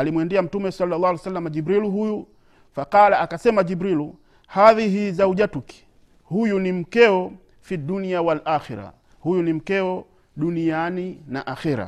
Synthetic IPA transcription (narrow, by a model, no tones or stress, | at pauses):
alimwɛndiam̩tumɛsalːalːalsalːamad͡ʒibɾiluɦuju | faqalaakasɛmad͡ʒibɾilu | haðiɦiːzauʄatuki̥ | hujunim̩kɛɔ | fiduniawalʔaxiɾa̰ | hujunim̩kɛɔ | ɗunijanina̰ʔaxiɾa̰